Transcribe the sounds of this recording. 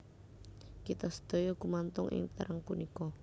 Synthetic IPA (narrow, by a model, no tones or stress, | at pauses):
kit̪ɔsə̥d̪̥o̤jɔɡ̥umant̪ʊŋʔɪ̰ŋt̪ə̰ɾəŋpunikɔ